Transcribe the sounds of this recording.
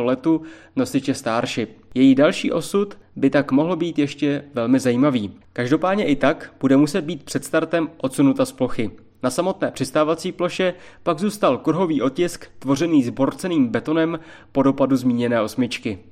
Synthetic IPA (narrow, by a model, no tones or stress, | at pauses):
olɛt̪u | no̞sɪt͡ʃɛst̪aːɾʃɪjɛjidalʃḭːʔo̞sut̪bɪt̪akmo̞ɦlbiːt̪jɛʃcɛvɛlmɪzajiːmaviː | kaʒdo̞paːdɲɛʔɪt̪akb̥udɛmusɛd̪̚biːt̪̚pr̝̥ɛt̪st̪aɾt̪ɛmʔo̞t̪sunut̪asplo̞xɪ | nasamo̞t̪nɛːpr̥ɪst̪aːvat͡siːplo̞ʃɛ | paɡzuːst̪alkɾɦo̞viːʔo̞t̪cɪskt̪vo̞r̝ɛniːzbo̞ɾt͡sɛniːmbɛt̪o̞nɛmpo̞do̞paduzmiːɲɛnɛːʔo̞smɪt͡ʃkɪ